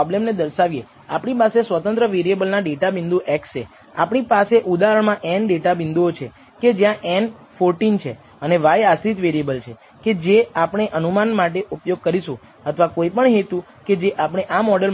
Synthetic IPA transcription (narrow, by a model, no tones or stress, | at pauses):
blemned̪əɾʃaʋije | apɳipasesʋət̪ə̃nt̪ɾəʋeɾijebəlnaɖeʈabind̪uʔɛkst͡ʃe | a̰pɳ̃ipaseʔud̪aɦəɳmãʔɛnɖeʈabɪnd̪uot͡ʃʰe | ked͡ʒjãʔɛnfoɾʈint͡ʃʰḛ | əneʋajast̪it̪ʋeɾiebəlt͡ʃʰe | ked͡ʒeapɳ̃eʔənumanmaʈeʔupjoɡ̚kəɾiʃũ | ət̪ʰʋakoipəɳɦet̪ũ | ked͡ʒeʔapɳ̃eʔamɔɖəl